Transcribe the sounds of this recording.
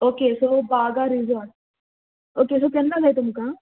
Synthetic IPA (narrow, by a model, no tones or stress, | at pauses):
oːkesoːbaːɡaɾizɔʈ | oːkesokɛnːaɡait̪ʊmkaː